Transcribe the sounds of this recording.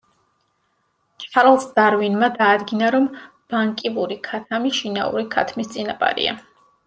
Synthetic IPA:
t͡ʃʰʼaɾlˠsd̪̥aɾvinmad̪aːd̪ɡinaɾɔm | b̥aŋkʼivuɾikʰat̪ʰamiʃina̰ṵɾikʰa̰t̪ʰmist̪sʼinapʼa̰ɾḭa̰

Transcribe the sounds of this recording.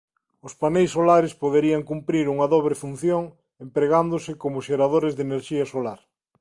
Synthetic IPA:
ʊspanejsːolaɾɪspoðeɾiɐŋkumpɾiɾuŋɐðoβ̞ɾefun̟θjoŋ | empɾeɣand̪ʊsɪkomʊʃeɾaðoɾɪzðeneɾʃiɐsolaɾ

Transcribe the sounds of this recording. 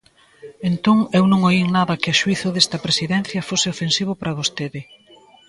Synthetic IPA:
ent̪oŋewnõŋoiŋnaðɐkɪɐʃuiθʊðest̪ɐpɾesiðɛn̟θjɐfosɪofensiβ̞ʊpɾɐβost̪eðɪ

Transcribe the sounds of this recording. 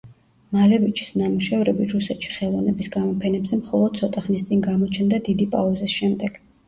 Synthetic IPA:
malɛvit͡ʃʰi̥snamuʃɛvɾɛbiɾusɛt̪ʃi̥χɛlˠɔvnɛbisɡamɔpʰɛnɛbzɛmχɔlˠɔd̪̥̚tsʰɔt̪ʼaχnist̪sʼiŋɡamɔt͡ʃʰɛnd̪ad̪id̪ipʼauzisʃɛmd̪ɛɡ̥

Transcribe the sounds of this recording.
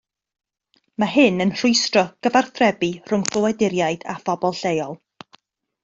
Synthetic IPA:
maɦɨnənr̥ʊjstrɔɡ̥əvarθrɛbir̥ʊŋmkʰəwɛdɪɾjajd̥afɔbɔlˠɬejɔlˠ

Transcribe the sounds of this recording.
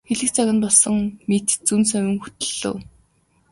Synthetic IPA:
xeɮɘ̆kt͡sʰaɣʲɪ̆npɔɮsɞ̆ŋmet̪t͡sunsœwʲɪ̆ŋxut̪ɵ̆ɮ̥ɘ̰̆w

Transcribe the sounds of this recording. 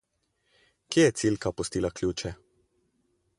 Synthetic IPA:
kjeːjɛt̪silkapɔst̪iːlaklʲuːt͡ʃɛ

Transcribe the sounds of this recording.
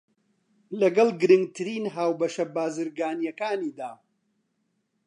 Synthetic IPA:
lɐɡɐlˠɡɨɾɨŋɡ̚t̪ʰɨɾiːnɦaːwbɐʃɐbaːzɨɾɡaːnjɐkaːniːd̪aː

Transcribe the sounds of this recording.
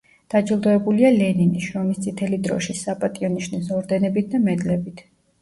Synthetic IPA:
d̪̥ad͡ʒilˠd̪ɔɛbulialɛniniʃɾɔmist̪sʼit̪ʰɛlid̪ɾɔ̰ʃisapʼat̪ʼiɔniʃnisɔɾd̪ɛnɛbit̪̚ʰd̪amɛd̪lɛbit̪ʰ

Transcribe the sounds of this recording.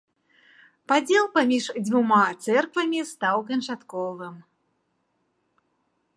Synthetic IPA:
pad͡zʲɛlˠpamʲiʂd͡zʲvumat̪sɛrkvɐmʲist̪awkɐnt͡ʂat̪kɔvɨm

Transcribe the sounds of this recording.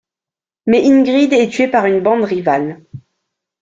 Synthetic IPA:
mɛʔinɡʁid̪ɛt̪ɥepaʁynbɑ̃d̪ʁival

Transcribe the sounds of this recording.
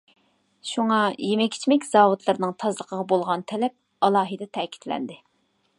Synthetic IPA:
ʃuŋɑjemɛkʲʰi̥t͡ʃʰmɛkʲz̥ɑːwut̪lˠɨɾnɨŋt̪ʰɑzlˠəqʰəʁɑbolˠʁɑnt̪ʰɛlɛp̚ | ɑlˠɑːɦɨd̪ɛt̪ʰɛːkʲʰi̥t̪lɛ̰nd̪ɪ

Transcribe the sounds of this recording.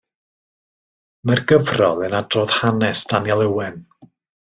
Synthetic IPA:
mɛrɡəvrɔlˠənadroːð̥hanɛsd̥anjɛlˠəwɛn

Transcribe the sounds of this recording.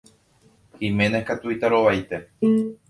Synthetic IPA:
himẽnekat̪uit̪aɾo̞ʋajt̪e

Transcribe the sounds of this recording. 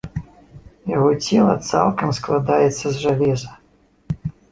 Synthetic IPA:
jaɣɔt͡sʲɛlˠɐ̰t̪sa̰lˠkɐmsklˠad̪ajɛt̪sːɐzʐalʲɛzɐ

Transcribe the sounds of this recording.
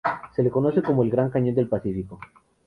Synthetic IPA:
se̞leko̞no̞se̞komoelɡɾaŋkaɲo̞nd̪e̞lpasifiko̞

